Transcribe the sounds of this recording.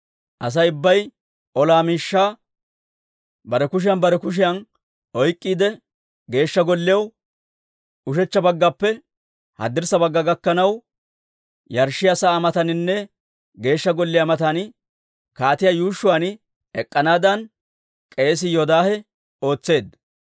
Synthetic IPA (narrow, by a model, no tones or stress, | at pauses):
ʔɐs̬ɐjʊbːɐj | ʔɔlaːmiːʃːaː | bɐɾɛkʊʃ̬ɪjɐnbɐɾɛkʊʃ̬ɪjɐn | ɔjkʼːiːd̪ɛ | ɡe̞ːʃːɐɡɔlːɪjɐw | ʊʃ̬ɛt͡ʃːɐbɐɡːɐpːɛ | hɐ̰d̪ɪɾsɐbɐɡːɐɡɐkːɐnɐw | jɐɾʃɪjɐsaːmɐt̪ɐnɪnːɛ | ɡe̞ːʃːɐɡɔlːɪjɐmɐt̪ɐn | kaːt̪ɪjajuːʃːʊwan | ɛkʼːɐnaːd̪ɐn | kʼe̞ːs̬ɪjɔd̪aːhɛ | o̞ːt͡sːe̞ːd̪